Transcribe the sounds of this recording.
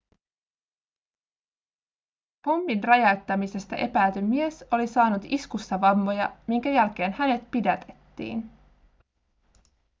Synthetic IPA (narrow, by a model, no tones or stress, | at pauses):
po̞mːinrɑjɑwt̪ːɑmise̞st̪ɑ̰ʔe̞pæːt̪ymːie̞so̞lisɑːnut̪iskust̪ɑʋɑmːo̞jɑmiŋkæjælk̟e̞ːnhæne̞t̪pidæt̪e̞̥t̪ːḭːn